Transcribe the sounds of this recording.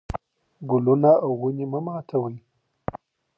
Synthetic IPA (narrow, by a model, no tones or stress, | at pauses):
ɡʊlunaawːuniməmat̪ʰawəj